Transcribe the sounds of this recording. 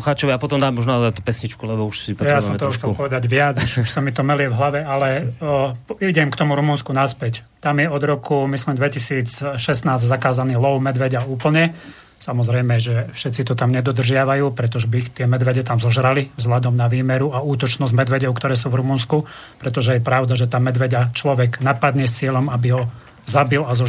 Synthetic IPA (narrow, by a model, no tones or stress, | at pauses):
xaːt͡ʃɔʋiapɔt̪ɔmd̪aːmːɔʒnad̪at̪u̥pɛsɲit͡ʃkulɛbɔuʃsipjasɔmt̪ɔɔxt͡sɛlpɔʋɛd̪aɟʋɪat͡suʃuʃsamit̪ɔmɛlɪɛvɦlaʋɛalɛ | iɟɛmkt̪ɔmuɾumunskunaspɛct̪amjɛɔd̪ɾɔkumislimd̪ʋɛcisiːt͡sʃɛst̪naːzzakaːzaniːlɔʊmɛd̪ʋɛɟauːpl̩ɲɛ | samɔzɾɛjmɛʒɛfʃɛt̪t͡sit̪ɔt̪amɲɛd̪ɔd̪r̩ʒɪaʋajuːpɾɛt̪ɔʒɛbit̪ɪɛmɛd̪ʋɛɟɛt̪amzɔʒɾalivzɦʎad̪ɔmnaʋiːmɛɾuauːt̪ɔt͡ʃnɔzɟmɛd̪ʋɛɟɔʊkt̪ɔɾɛːs̬uːvɾumunsku | pɾɛt̪ɔʒɛjɛpɾaʊd̪aʒɛt̪aːmɛd̪ʋɛɟat͡ʃlɔʋɛɡnapad̪ɲɪɛst͡sɪɛlɔmabiɦɔ | zabilazɔ